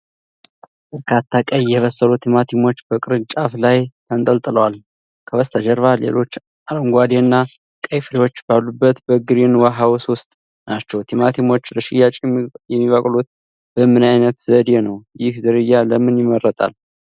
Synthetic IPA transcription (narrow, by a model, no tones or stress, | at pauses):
kʰat̪ʰːakʼəjɛβəsːəlut̪ʰimat̪ʰimo̞t͡ʃːbəkʼɨɾɨnt͡ʃʼaflajt̪ʰənt̪ʼəlt̪ʼɨləwal | kʰəβəst̪ʰəd͡ʒəɾβalḛlo̞t͡ʃː | aɾəŋɡʷad̪eɨnːa | kʼəjfɨɾewo̞t͡ʃːbalːubːət̪bəɡɨɾenwaɦawswʊst̪ʼ | nat͡ʃːɛwt̪ʰimat̪ʰimo̞t͡ʃːɾəʃɪjat͡ʃʼijɛmːiβəkʼlut̪̚ | b̥əmɨnajnət̪zəd̪jenəwjɪhzəɾɨjːaləmɨnjɪmːəɾːət̪ʼa̰l